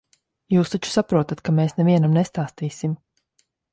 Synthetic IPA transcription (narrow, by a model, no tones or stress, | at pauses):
juːst̪at͡ʃu̥sapɾuɔt̪at̪kameːsnɛviɛnamnɛst̪aːst̪iːsim